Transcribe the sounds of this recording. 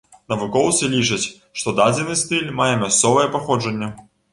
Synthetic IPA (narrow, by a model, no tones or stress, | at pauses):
nɐvukɔwt̪sɨlʲit͡ʂɐt͡sʲ | ʂt̪ɔd̪ad͡zʲɛnɨst̪ɨlʲmajɛmʲast̪sɔvɐjɛpaxɔd͡ʐɐnʲːɛ